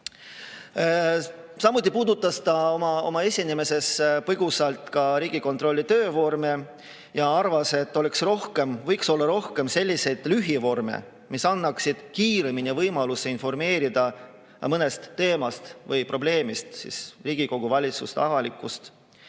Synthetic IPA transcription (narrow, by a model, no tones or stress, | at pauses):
sɑmut̪̬ʲˑːipuːd̪ut̪ːˑɑst̪ɑo̞mɑo̞̰mɑe̞sʲinime̞se̞spɤɡ̥usɑlt̪kɑɾiːɡ̥iko̞nt̪ro̞lʲːit̪ø̞ːvo̞rme | jɑɑrvɑse̞t̪ːo̞le̞ksro̞hke̞mvɤjkso̞lːɑɾo̞hke̞mse̞lʲːise̞jd̪̥lyɦivo̞rme̞̰ | misɑnːɑksid̪̥kiːɾe̞minʲivɤjmɑluseinfo̞rme̞ːɾid̪̥ɑ | mɤne̞st̪ːe̞ːmɑst̪vɤjpro̞b̥le̞ːmist̪sḭsriːɡ̥iko̞ɡ̥uvɑlʲit̪sust̪ɑvɑlikːˑust̪